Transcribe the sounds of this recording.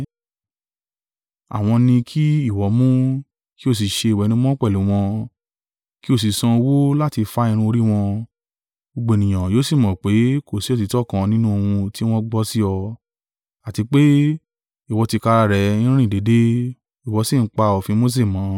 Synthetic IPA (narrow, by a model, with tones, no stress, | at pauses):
a̰˨w̃ɔ̃˧nĩ˧kʰi˦i˦˨wɔ˨˦mũ˦ | ki˦o˦˨s̬i˨˦ʃe˧˨wɛ˨˦nĩ˦m˦ɔ̃˦k͡pɛ˦˨lu˨˦w̃ɔ̃˧ | ki˦o˦˨s̬i˨sã˧o˧wo˦la˦ti˧fa˦ĩ˧ɾ̃ũ˧o˧ɾi˦w̃ɔ̃˧ | o˧ɡ͡bo˨nĩ˨j̃ã˨jo˨˦si˦˨mɔ̃˨k͡pe˨˦ko˦˨si˨˦o˦t̬i˨˧tɔ˦˨kã˧nĩ˦nũ˦o˧wũ˧ti˦w̃ɔ̃˦ɡ͡bɔ˧˦si˦ɔ˧ | a˨ti˧k͡pe˦ | i˨wɔ˨˧ti˧ka˧ɾa˧ɾɛ˨˧˦ĩ˦ɾĩ˦ĩ˦˨de˨˦de˦ | i˨wɔ˨˦si˦˨n̩˦k͡pa˧ɔ˨fĩ˧˦mo˦s̬e˦˨mãː˨˦